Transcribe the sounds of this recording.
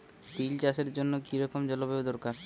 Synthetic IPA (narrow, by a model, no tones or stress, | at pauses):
t̪ilt͡ɕaʃeɾd͡ʑonːokiɾɔkomd͡ʑɔlobeod̪ɔɾkaɾ